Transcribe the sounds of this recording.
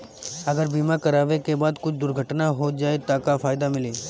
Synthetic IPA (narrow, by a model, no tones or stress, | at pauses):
ɐɡəɾbiːmakɐɾaːʋekebaːd̪kʊt͡ʃʰd̪ʊɾɡʱəʈnaɦoːd͡ʒaːet̪akafʰaːɪd̪amɪleː